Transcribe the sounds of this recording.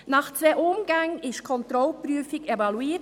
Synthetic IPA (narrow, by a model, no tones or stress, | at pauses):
nɑːχt͡sʋeʔʊmɡaŋɪʃkʰɔnt̪ɾɔlpɾyəfɪɡevɑluiː